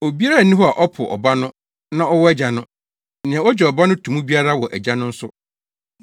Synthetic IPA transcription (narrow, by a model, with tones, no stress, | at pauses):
o˨bi˦a˦ɾa˦˨nĩ˦ɦhɔ˦a˨ʔɔ˦pʰʊ̰˨ʔɔ̰˨ba˦nʊ̃˦ | nã˦ɔ˦wɔ˦ɛ˦d͡ʑa˨nʊ̃˦ | nɪ̃˨ɛ̃˨˦ɔ˦d͡ʑɛ˨ɔ˨ba˦nʊ̃˦tʰũ˨mũ˦bi˦a˦ɾa˦wɔ˨ʔɛ˨d͡ʑa˦nʊ̃˦n̩˦sʊ˦